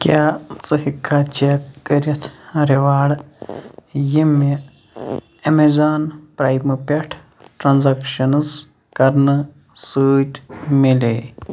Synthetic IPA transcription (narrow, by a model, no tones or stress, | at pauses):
kʲaːt͡sɨhikʰːaːt͡ʃakəɾɐt̪ʰɾeʋaːɽ | jime | ɐmezaːnpɾaːjmɨpʲeʈʰ | ʈɾanzɐkʃɐnɨz | kɐɾnɨ | sɨːt̪mile